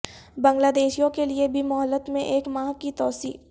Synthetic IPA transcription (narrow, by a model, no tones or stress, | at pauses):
bɐ̃ŋɡlaːd̪eːʃijõkeliebʱimʊɦəlːət̪mẽʔeːkmãːkit̪ɔːsḭː